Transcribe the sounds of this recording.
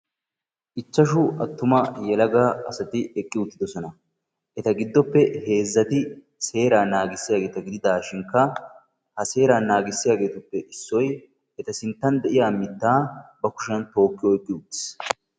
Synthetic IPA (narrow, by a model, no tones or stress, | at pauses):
ʔɪt͡ʃːɐʃʊɐt̪ːʊmɐjɛlɐɡɐʔɐsɐt̪ɪɛkʼːɪʊt̪ːɪd̪ɔsɔnɐ | ʔɛt̪ɐɡɪd̪ːɔpːɛhe̞ːzːɐt̪ɪ | se̞ːɾaːnaːɡɪsːɪjaːɡeːt̪ɐɡɪd̪ɪd̪aːʃɪŋkːɐ | hɐse̞ːɾaːnːaːɡɪsːɪjaːɡe̞ːt̪ʊpːɛʔɪsːɔj | ɛt̪ɐsɪnt̪ːɐnd̪ɛʔɪjaːmɪt̪ːaːbɐkʊ̥ʃɐnt̪o̞ːkːɪjɔɛkʼːɪʊt̪ːɪ̥s